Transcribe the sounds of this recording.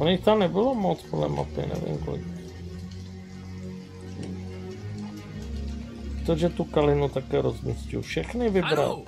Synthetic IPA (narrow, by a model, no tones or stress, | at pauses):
oɲɪxt̪amnɛbɪlomot͡spodlɛ̰ma̰t̪ɪ̰nɛ̰vɪ̰mko̰lɪ̰k | t̪oʒɛt̪ukalɪnut̪akɛːɾozmiscɪ̰ufʃɛxnɪvɪbɾa̰l